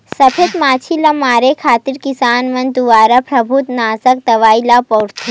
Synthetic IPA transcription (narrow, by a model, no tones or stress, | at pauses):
sɐpʰet̪maːt͡ʃʰilɐmaːɾekʰaːt̪iɾkisaːnmɐ̃nd̪uʋaːɾapɾɐbʱut̪naːzək̚t̪ɐʋaːilaːpɔːɾt̪ʰi